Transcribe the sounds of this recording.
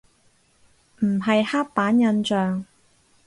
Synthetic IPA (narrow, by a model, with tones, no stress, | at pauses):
m̩˨˩ɦɐ˨jhaː˥k̚paː˨˥njɐ˧nt͡ʃœː˨ŋ